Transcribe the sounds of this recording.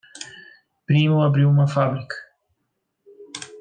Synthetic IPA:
pɾiːmuɐbɾiwmafabɾik

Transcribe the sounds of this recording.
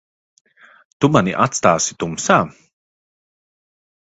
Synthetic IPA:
t̪umaniʔat̪st̪aːsi̥t̪umsaː

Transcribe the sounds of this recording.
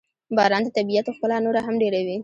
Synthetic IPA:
bɑɾɑnd̪ət̪abijat̪oxpəlanoɾaɦamɖeɾawi

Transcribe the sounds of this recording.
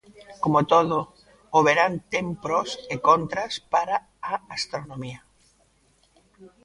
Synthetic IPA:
komot̪oðo | oβeɾant̪empɾosekont̪ɾaspaɾa | aast̪ɾonomia

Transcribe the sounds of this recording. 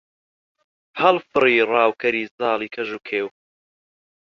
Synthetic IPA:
hɐlfɨriːrˤɑːwkʰɐɾiːzɑːliːkʰɐʒuːkʰeːw

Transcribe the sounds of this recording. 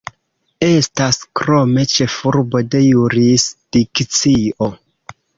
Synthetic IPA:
e̞staskɾo̞me̞t͡ʃe̞fuɾbo̞de̞juɾisd̥ikt͡sio

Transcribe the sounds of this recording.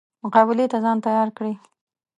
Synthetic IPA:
mʊqɑbɪlet̪azɑnt̪ajɑɾkɽe

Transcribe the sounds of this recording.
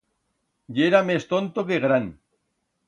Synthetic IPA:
ʎeɾamest̪ont̪okeɣɾan

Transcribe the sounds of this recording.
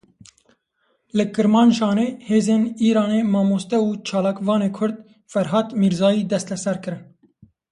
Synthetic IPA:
lɨkɨɾmɑːnʃɑːneːheːzeːniːɾɑːneːmɑːmoːst̪ɛuːt͡ʃʰɑːlɑːkvɑːneːkʰʊɾd̪̚ | fɛɾɦɑːt̪miːɾzɑːjiːd̪ɛst̪lɛsɛɾkɨɾɨn

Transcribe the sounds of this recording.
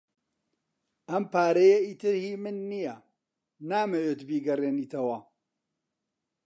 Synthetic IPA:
ʔɐmpaːɾɐjeiːt̪ɨɾhiːmɨnːijɐ | naːmɐweːt̪biːɡɐreːniːt̪ʰɐwɐ

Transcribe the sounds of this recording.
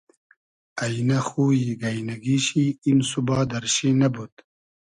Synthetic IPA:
ɐjnɐxuːiɡɐjnɐɡiɕiːmsubɑːd̪ɐɾɕiːnɐbut̪

